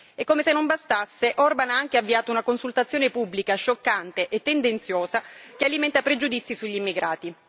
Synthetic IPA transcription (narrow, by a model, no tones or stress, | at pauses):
ekːomesenːombast̪asːeʔɔrbanaaŋk̟eavːiaːt̪ounakonsult̪at̪sːjoːnepubːlikaʃːokːant̪eʔet̪ːend̪ent̪sjoːzak̟ealimɛnt̪apɾed͡ʒud̪it̪sːisuʎːimːiɡɾʔaːt̪i